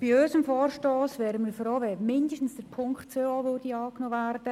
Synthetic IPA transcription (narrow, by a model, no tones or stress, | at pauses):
b̥iøʏsəmfɔːrʃtoːsʋɛːɾəməfroːʋɛːmɪndəʃtn̩sd̥əɾpʰʊŋktt͡søːɔːʋodiɑːknoːʋærd̥ə